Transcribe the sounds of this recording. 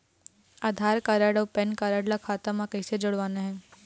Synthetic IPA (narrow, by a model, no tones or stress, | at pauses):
aːd̪ʱaːɾkaɾəɽɔːpɛnkaɾəɽlakʰaːt̪əmãkɐɪsed͡ʒʊɽʋaːneɦɛ̃ː